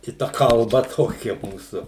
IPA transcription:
ɪ ˈtɐ kɐlˠˈbɐ ˈtoːkʲɛ ˈmuːsʊ

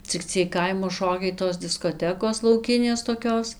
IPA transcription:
t͡sʲɪk ˈt͡sʲiɛj ˈkɐɪmoː ˈʃoːkʲɛɪ toːs dʲɪskoːˈtʲæːkoːs lˠɐʊˈkʲɪnʲeːs toːˈkʲoːs

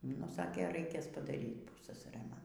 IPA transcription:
nʊ ˈsɑːkʲeː ˈrɐɪkʲeːs pɐdɐˈrʲiːt ˈpʊssɐsɐrɘ ˈmɐn

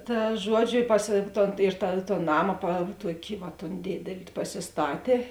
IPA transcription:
ˈtɐ ˈʒuɔˌd͡ʒʲʊ ɪ pɐs ˈtoːn ɪr tɐ ˈtoːn ˈnɑːmɐ pɐ ˈtuɔkʲɪ ʋɐt toːn ˈdʲeːdʲɛlʲɪ pɐsʲɪsˈtɑːtʲeː

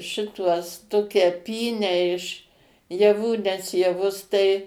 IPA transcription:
ˈʃʲɪtuɔs ˈtoːkʲɛ ˈpʲiːnʲæː ɪʃ jɛˈʋuː nʲɛs jɛˈʋʊs tɐɪ

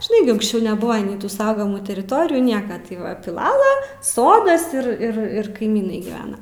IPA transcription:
ʒʲɪˈnɐɪ ɡʲɪ ʊŋksʲˈt͡ʃʲɛʊ nʲɛˈbʊʋɐ nʲɛɪ tʊ ˈsɐʊɡɐmuː tʲɛrʲɪˈtoːrʲɪjuː ˈnʲiɛkɐ tɐɪ ˈʋɐ pʲɪˈlˠɑːlˠɐ ˈsoːdɐs ɪr ˈɪr ˈɪr kɐɪˈmʲiːnɐɪ ɡʲiːˈʋʲæːnɐ

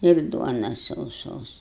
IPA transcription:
ɪr ˈduɔnɐs sɐʊˈsoːs

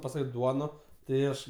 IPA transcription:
pɐˈsɑːkʲeː ˈduɔnoː tɐɪ ˈɐʃ

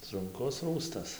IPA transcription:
sʊŋˈkʊs ˈruːstɐs

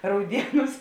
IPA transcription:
ˈrɐʊdʲiɛˌnuːs

